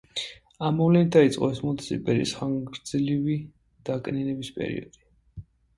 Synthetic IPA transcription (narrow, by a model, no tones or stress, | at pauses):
amɔvlɛnit̪̚ʰd̪ait̪sʼqʼɔ̰ɛsmɔnt̪sḭpʼɛɾḭsχaŋɡɾd̪zlivi | d̪̥akʼninɛbispʼɛ̰ɾḭɔ̰d̪̥i̥